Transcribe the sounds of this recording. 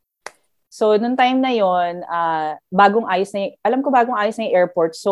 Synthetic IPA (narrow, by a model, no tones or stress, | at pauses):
so̞nʊŋt̪ajmnɐjonabaːɡoŋʔaːjosnɐjʊŋʔɐlɐmkobaːɡoŋʔaːjosnɐjʊŋʔɛɹpoɹt̪̚so